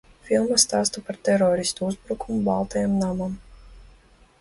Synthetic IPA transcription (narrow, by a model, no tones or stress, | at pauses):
fʲilˠmast̪aːst̪ɔpaɾt̪ɛɾɔːɾist̪uuzbɾukumubalˠt̪ɛjamnamam